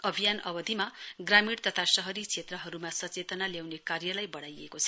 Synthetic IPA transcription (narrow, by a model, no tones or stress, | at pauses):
ʌbʱijanʌ̰bʌd̪ʱimaɡramiɽt̪ʌt̪ʰasʌɦʌɾit͡sʰet̪rʌɦʌɾumasʌt͡set̪ʌnaljawnekarjʌlajbʌɽajḛkot͡sʰʌ̥